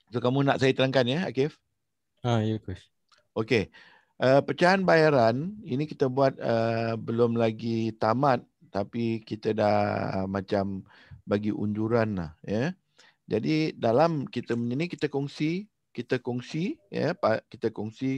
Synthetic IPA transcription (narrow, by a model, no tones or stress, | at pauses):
t̪okamũnaʔsajət̪əɾaŋkanjəa̰kɪf | ajəkɛs | oke | ʔəpət͡ʃaanbajaɾaninĩkit̪əbuat̪̚əbəlʊmlaɡit̪amãt̪̚ːapikit̪ədahə̰mãt͡ʃam | baɡiʔṵɲd͡ʒuɾanla̰hjə | d͡ʒadidalamkit̪əməɲənikit̪əkɔŋsi | kit̪əkɔŋsijə̰pakit̪əkɔŋsi